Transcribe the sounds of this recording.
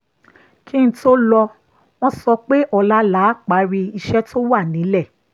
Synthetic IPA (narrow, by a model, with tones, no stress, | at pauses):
ki˦n̩˦to˦lɔ˧ | w̃ɔ̃˦sɔ˧k͡pe˦ʔɔ˧la˦la˨˦k͡pa˨˦ɾi˧i˧ʃɛ˦tʰo˦wa˦˨nĩ˨˦lɛ˦˨